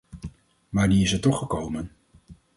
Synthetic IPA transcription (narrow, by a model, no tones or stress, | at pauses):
maːɹniɪsɛtɔχəkowmən